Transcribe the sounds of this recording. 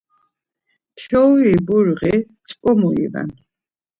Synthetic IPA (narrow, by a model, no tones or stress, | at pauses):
tʰɔwibuɾʁi | t͡sʼkʼɔmuḭva̰n